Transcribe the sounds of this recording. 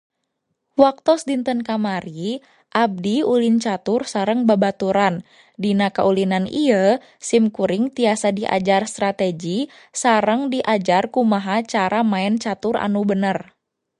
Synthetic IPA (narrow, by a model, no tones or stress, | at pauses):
wak̚t̪ɔsdint̪ənkamaɾi | ʔab̚diulint͡ʃat̪ursaɾəŋbabat̪uɾan | dinakaulinaniə | simkuɾɪŋt̪iasadiʔa̰d͡ʒarst̪ɾat̪ɛɡi | saɾəŋdiʔad͡ʒarkumaɦat͡ʃaɾamaɛnt͡ʃat̪ura̰nubənər